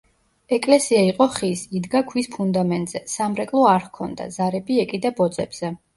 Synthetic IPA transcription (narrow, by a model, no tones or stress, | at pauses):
ɛkʼlɛsiaiqʼɔχisid̪ɡakʰwispʰund̪amɛnt̪ʼz̥ɛsamɾɛkʼlˠɔaɾhkʰɔnd̪a̰zaɾɛbiɛkʼid̪abɔd̪zʼɛb̥z̥ɛ